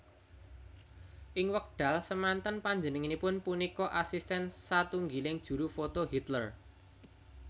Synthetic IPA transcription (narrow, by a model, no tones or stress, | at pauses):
ʔɪŋwək̚ɖ̥a̤lsəmant̪ənpaɲd͡ʒənəŋinipʊnpunikɔʔasist̪ɛnsat̪uŋɡilɪŋd̥ʒ̥ṳɾufot̪oɦit̪lər